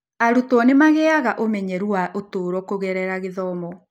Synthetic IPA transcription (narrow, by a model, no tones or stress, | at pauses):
aɾutɔnemaɣɛaɣaʔomɛɲɛɾuaʔotoːɾɔkoɣɛɾɛɾaɣeðɔmɔ